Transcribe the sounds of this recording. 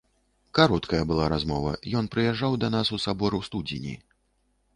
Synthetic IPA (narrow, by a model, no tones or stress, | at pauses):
kaɾɔt̪kɐjɐbɨlˠaɾazmɔvɐ̰jɔn̪pɾɨjɛʐːawd̪ɐnasusabɔɾɨwst̪ud͡zʲḭnʲḭ